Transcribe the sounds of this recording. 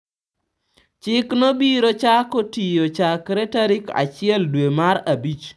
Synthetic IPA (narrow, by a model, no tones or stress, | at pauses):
t͡ʃɪknobiɾot͡ʃakotijot͡ʃakɾɛtaɾika̰t͡ʃɪɛldwemaɾabit͡ʃ